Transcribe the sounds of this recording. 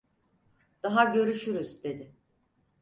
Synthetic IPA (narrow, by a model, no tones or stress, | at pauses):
d̪̥aɦaɟø̞ɾyʃyɾyzd̪e̞d̪ɪ